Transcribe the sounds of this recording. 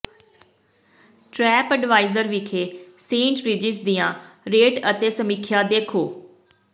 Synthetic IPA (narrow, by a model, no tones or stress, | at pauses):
ʈɾɛːpəɖʋaːɪzəɾʋɪkʰeːsẽːɳʈɾɪd͡ʒɪsd̪ɪjãːɾeːʈət̪eːsəmikʰjaːd̪eːkʰoː